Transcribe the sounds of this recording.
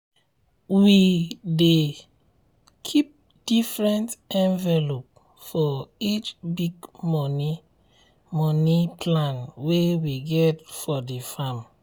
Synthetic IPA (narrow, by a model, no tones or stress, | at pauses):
wide | kʰip̚ | d̥ifɹɛ̃ntɛ̃nvɛlop̚ | fɔit͡ʃbiɡmɔni | mɔnipʰlãnwewiɡɛtfɔdifãm